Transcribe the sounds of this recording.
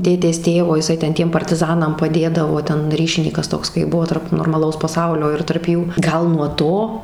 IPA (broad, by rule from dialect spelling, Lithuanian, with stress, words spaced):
ˈtʲeːtʲeːs ˈtʲeːʋoː ɪˈsɐɪ ˈtʲɛn ˈtʲiɛm pɐrʲtʲɪˈzɑːnɐm pɐˈdʲeːdɐʋoː ˈtʲɛn ˈrʲiːʃʲɪnʲiːkɐs ˈtoːks kɐɪ ˈbʊʋoː tɐrp noːrmɐˈlˠɐʊs pɐˈsɐʊlʲoː ɪr tɐrp ˈjuː ˈɡɐlˠ nuɔ ˈtoː